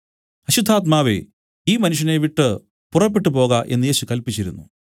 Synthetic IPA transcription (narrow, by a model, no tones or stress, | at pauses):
hɐɕud̪ʱːaːt̪̚maːʋe̞̰ | iːmɐnuʂ̬jɐneʋiʈːɨ | purɐpːeʈːɨpo̞ːɣaʔe̞̰nːɨe̞ːɕukɐlpit͡ɕːiɾunːu